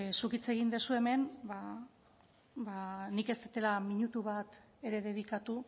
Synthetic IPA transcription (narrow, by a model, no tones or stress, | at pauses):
sukit͡se̞ɣ̞ind̪esue̞me̞nba | banike̞st̪et̪e̞lamiɲut̪uβ̞at̪ | e̞ɾe̞ð̞e̞βikat̪u